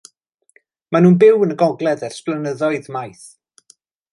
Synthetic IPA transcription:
manuːnbɪwənəɡɔɡlˠɛðɛr̥splˠənəðɔɨðmajθ

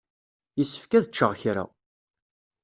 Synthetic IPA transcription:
jisə̥fkæðət͡ʃːəʁçɾa̰

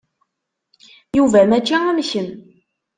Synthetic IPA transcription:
juvæmæt͡ʃːiæmçən

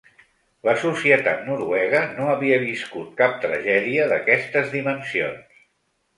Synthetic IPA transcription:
ləsusiət̪a̰t̪nuɾuɛɣ̞ənoəβiəβiskut̪̚kap̚t̪ɾəʒɛðiəðəkɛst̪əzðimənsio̰ns

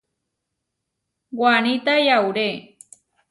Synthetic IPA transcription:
wanit̪ajawɾe

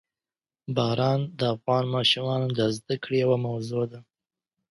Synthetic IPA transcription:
bɑɾɑnd̪əafɣɑnmɑʃumɑnd̪əzd̪akɽejawamawzod̪a

